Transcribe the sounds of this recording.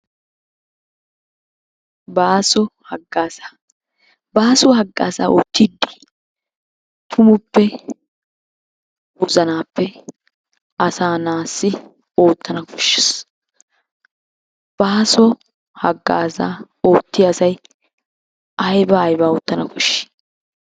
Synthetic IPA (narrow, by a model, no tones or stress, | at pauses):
baːsɔhɐɡaːsa | baːsɔɦɐɡːa̰ːsa̰ːʔo̰ːt̪ːɪd̪ːi̥ | t̪ʰʊmʊpːɛ | wʊzɐnaːpːɛ | ɐsaːnaːsːɪ | o̞ːt̪ːɐnɐkɔ̥ʃːɛs | b̥aːsɔ | hɐɡːa̰ːsa̰ː | oːt̪ːɪɐsɐj | ɐjbɐːjbaːɔt̪ːɐnɐkɔʃːɪ̥